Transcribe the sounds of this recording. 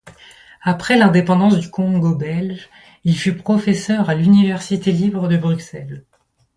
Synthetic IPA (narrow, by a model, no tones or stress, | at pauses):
apχɛlɛ̃d̪epɑ̃d̪ɑ̃sd̪ykʰɔ̃ɡobɛlʒ | ilfypχɔfɛsœʁalynivɛʁsit̪elibʁəd̪əbʁyksɛl